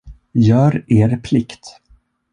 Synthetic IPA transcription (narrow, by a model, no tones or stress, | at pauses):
jœːɾeːɾpʰlɪkt̪